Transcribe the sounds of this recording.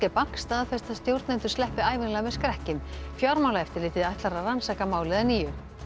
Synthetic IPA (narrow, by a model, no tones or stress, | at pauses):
cɪpaŋ̥kst̪aːðafɛrst̪aðst̪jowɾt̪nɛnt̪ʏ̥ɾslɛhpːɪaːjvɪnlɛaɣamɛðskɾɛhcɪmfjɔɾmawlaɛft̪ɪɾlɪːt̪ɪðajt̪laɾaransaːkamaːwlɪðaniːjʏ